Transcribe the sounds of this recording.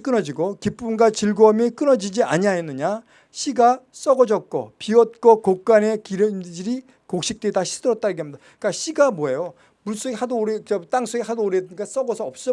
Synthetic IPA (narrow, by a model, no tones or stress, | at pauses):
k͈ɯnʌd͡ʑiɡokip͈umɡat͡ɕiɭɡoʌmik͈ɯnʌd͡ʑid͡ʑia̰ɲiajenːɯɲa | ɕʰiɡas͈ʌɡʌd͡ʑʌt̚k͈o̰piʌt̚k͈okok̚k͈ane̞kiɾɯd͡ʑiɾi | kok̚ɕ͈ik̚t͈eitaɕʰi̥s͈ʰɯɾʌt̚t͈aɾɯɡeɦamɲid̥a | k͈aɕʰiɡamwʌejo | muɭs͈oɡehadoɾeat͈aŋsʰoɡehadooɾedɯɲik͈as͈ʌɡʌsʰʌʌp̚s͈ʌ